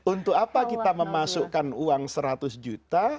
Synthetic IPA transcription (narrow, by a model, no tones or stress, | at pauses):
unt̪ʊkapakit̪aməmasukanuaŋsəɾat̪ʊsd͡ʒut̪a